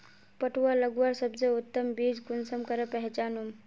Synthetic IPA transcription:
pəʈʋaləɡʋaɾsəbzeʊt̪ːəmbid͡ʒkunsəmkəɾəpɛɦɛt͡ʃaːnum

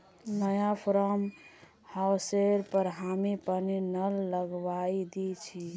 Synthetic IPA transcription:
nəjapʰɾəm | hawseɾpəɾɦamipəninəlːəɡʋaid̪it͡ʃʰi

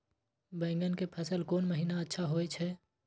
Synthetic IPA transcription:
bɛ̃ːŋɡənkepʰəsəlkoːnməɦiːnaətːʃʰaɦoːet͡ʃʰɛː

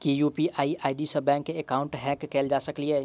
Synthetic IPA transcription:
kijuːpiʔaːiʔaːɪɖisəbɛ̃ːŋkːeekaːʊ̃ɳʈɦɛ̃ːkːɛːld͡ʒasəklieː

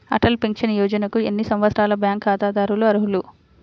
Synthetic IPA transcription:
ɐ̰ʈɐlpeŋkʃɐnjɔːd͡ʒɐnɐkuenːisɐmʋɐt̪sɾaːlɐbjaːŋkaːt̪aːd̪aːɾuluɐɾuɦulu

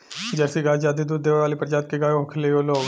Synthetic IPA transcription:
d͡ʒɛːsiɡaːd͡ʒaːd̪id̪uːɾd̪eːʋʋaːlipɾd͡ʒaːt̪̚keɡaːjoɦʊkʰleoːloːɡ

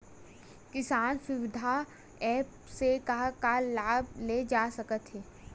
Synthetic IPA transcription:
kɪsaːnsʊʋɪd̪ʱa | ɛːp | sekakalaːb̚led͡ʒaːsɐkət̪ɦɛː

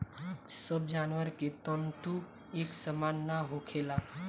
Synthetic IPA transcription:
səbd͡ʒaːnʋəɾket̪ɔnt̪u | eːksəmaːnːaɦokʰela

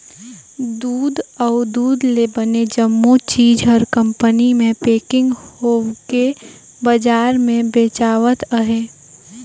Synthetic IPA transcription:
d̪uːd̪ɔʊd̪uːd̪lebəned͡ʒəmːot͡ʃiːd͡ʒɦəɾkə̃mpənimẽpeːkɪ̃ŋɡhoːke | bəd͡ʒaːɾmẽbeːt͡ʃaːʋət̪əɦeː

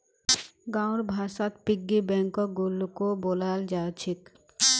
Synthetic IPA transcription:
ɡawɽbʱasat̪piɡːibɛŋkɔk̚ɡulːkobolald͡ʒaːt͡ʃʰik

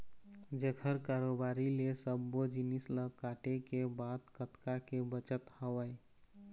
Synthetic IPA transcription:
d͡ʒekʰəɾkaɾobaɾilesəbːod͡ʒinisləkaʈekebat̪kət̪kakebət͡ʃət̪həwəj

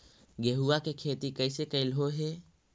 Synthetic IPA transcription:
ɡeɦuʋakekʰeːt̪ikəɪsekəɪlɦoɦeː

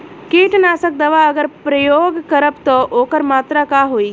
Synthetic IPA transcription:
keːʈnaːsək̚d̪ɐʋaɐɡəɾpɾɐjoːɡkɐɾəpt̪oʔoːkəɾmaːt̪ɾakaːɦoːiː

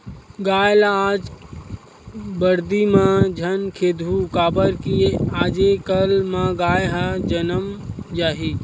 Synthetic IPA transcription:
ɡaːjlaaːd͡ʒ | bəɾd̪imãd͡ʒʱənkʰeːd̪ʱukaːbəɾkiaːd͡ʒekəlmãɡaːjɦad͡ʒənəmd͡ʒaːɦi

